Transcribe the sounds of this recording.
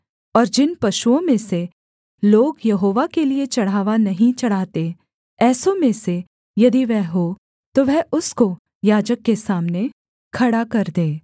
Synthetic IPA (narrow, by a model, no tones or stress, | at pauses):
ɔːɾd͡ʒɪnpɐʃuõmẽse | loːɡjɐɦoːʋakeliet͡ʃɐɽ̤aːʋanɐɦĩt͡ʃɐɽ̤aːt̪e | ɛːsõmẽse | jɐd̪iʋɛɦɦo | t̪oʋɛɦʊsko | jaːd͡ʒəkːesaːmne | kʰɐɽakɐɾd̪ẽː